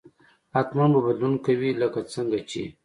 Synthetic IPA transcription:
at̪manbabad̪lunkawiləkat͡səŋɡat͡ʃḛ

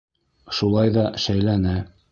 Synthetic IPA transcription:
ʃulˠɑjðɑʃæjlænæ

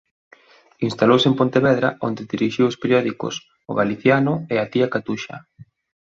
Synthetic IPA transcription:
inst̪alowsempont̪eβɛðɾa̰ʔond̪eðiɾiʃiwospeɾjɔðikʊ̰s | ʊ̰ɣaliθjanʊeat̪iakat̪uʃa̰

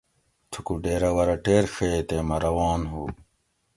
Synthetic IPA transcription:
t̪ʰukuɖeːɾɐwɐɾɐʈeːɾxʰet̪emɐɾɐwɑːnɦuː

